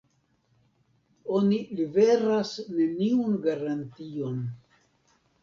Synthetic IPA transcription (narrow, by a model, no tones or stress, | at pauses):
o̞nilive̞ɾasne̞niunɡaɾantio̞n